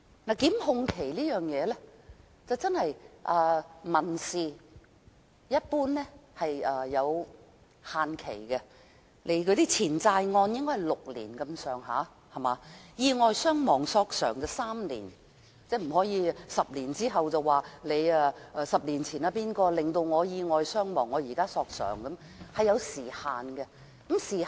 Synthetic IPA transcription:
naː˨˩kiː˨˥mhʊ˧ŋkʰe˨˩jliː˥jœː˨˩ŋjɛː˨˧lɛ˥ | t͡sɐ˨wt͡sɐ˥nhɐ˨jʔɐː˨˩mɐ˨˩nsiː˨ | jɐ˥t̚puː˥nːɛ˥hɐ˨jɐː˧ɐ˨˧w | haː˨nkʰḛ˨˩jkɛ˧ | le˨˧jkʰɵ˨˧˥t̪iː˥t͡sʰiː˨˩nt͡saː˧jŋɔː˧njɪ˥ŋkɔ˥hɦɐ˨˩jlʊ˨k̚lḭː˨˩nkɐ˧msœː˨˩ŋɦa̰ː˨˥ | hɐ˨˩maː˨˧jiː˧ŋɔː˨˧jsœː˥ŋmɔː˨˩ŋsɔː˧k̚sœː˨˩ŋt͡sɛ˧saː˥mlḭː˨˩n | t͡sɛː˥˩m̩˨˩hɔː˨˥jiː˨˧sɐ˨p̚liː˨˩nt͡siː˥ɦɐ˨wt͡sɐ˨wːaː˨le˨˧jɛ˧ʔɛː˧sɐ˨p̚liː˨˩nt͡sʰiː˨˩naː˧piː˥nkɔː˧lɪ˨˩ŋt̪o˧wŋɔː˨˧jiː˧ŋɔː˨˧jsœː˥ŋmɔː˨˩ŋːɔː˨˧jiː˨˩kaː˥sɔː˧k̚sœ̰ː˨˩ŋkɐ˨˦˥m | hɐ˨jːɐ˨˧wsiː˨˩haː˨nɡɛ˧ | kɐ˨˥msiː˨˩

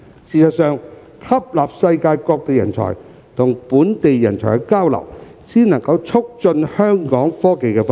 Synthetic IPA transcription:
siː˨˩sɐ˨t̚sœː˨ŋ | kʰɐ˥p̚laː˨p̚sɐ˧jkaː˧jkɔː˧k̚t̪e˨jɐ̰˨˩nt͡ʃʰɔ̰˨˩j | t̪ʰʊ˨˩ŋpuː˨˥nt̪e˨jːɐ˨˩nt͡sʰɔ̰ː˨˩kɛkaː˥wlɐ̰˨˩w | siː˥nɐ˨˩ŋkɐ˧wt͡sʰʊ˥k̚t͡sɵ˧nhœː˥ŋkɔː˨˥ŋfɔː˥ke˨jkɛː˧f

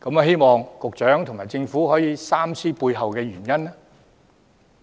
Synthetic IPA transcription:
kɐ˨˥mɐ˨˧ɦe˥jmɔː˨ŋkʊ˨k̚t͡ʃœː˨˥ŋt̪ʰʊ˨˩ŋmaː˨˩jt͡sɪ˧ŋfuː˨˥ɦhɔː˨˥jiː˨˧saː˥mt͡sʰiː˥puː˧jɦɐ˨wkɛː˧ɥyː˨˩njɐ˥nɛ˥

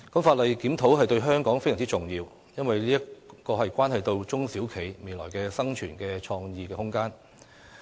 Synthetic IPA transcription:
kɐ˨˥mfaː˧t̚lɐ˨jkiː˨˥mt̪ʰo˨˥wɦɐ˨jt̪ɵ˧ɥɦœː˥ŋkɔː˨˥ŋfjɐ˨˩ŋt͡si˥ʊ˨˩ŋjiː˧w | jɐ˥nwɐ˨jliː˥jɐ˥kɔː˧ɦɐ˨jkʷaː˥nɦɐ˨jt̪o˧wt͡sʊ˥ŋsiː˨˥wkʰe˨˩jme˨jlɔ̰ː˨˩jkɛː˧sɐ˥ŋt͡ʃʰyː˨˩nkɛː˧t͡ʃʰɔː˧ŋjiː˨kɛː˧hʊ˥ŋkaː˥n

